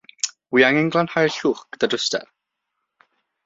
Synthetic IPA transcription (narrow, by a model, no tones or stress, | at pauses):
wiaŋɛŋɡlˠanhajrɬuːχkd̪̥ədʊstɛ̰r